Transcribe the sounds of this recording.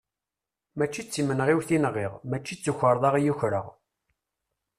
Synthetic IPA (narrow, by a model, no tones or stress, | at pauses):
mæt͡ʃːit͡sːimənʁiwθinʁːiʁmæt͡ʃːit͡sːuçəɾˤðˤɑʁijuçɾə̰ʁ